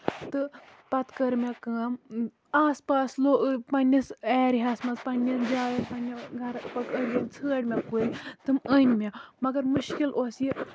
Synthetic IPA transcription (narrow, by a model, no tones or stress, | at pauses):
t̪ɨpɐt̪kɐɾmʲɐkɨːm | aːspaːsloːpɐnːiseːɾɦasmɐt͡spɐnʲːɐd͡ʒaːjɐnpɐnʲːɐɡʱɐɾpɐkəɾjɐnt͡sʰɨːʈʲmʲakujt̪ɨmənʲmʲamɐɡɐɾmɨʃkilʔoːsji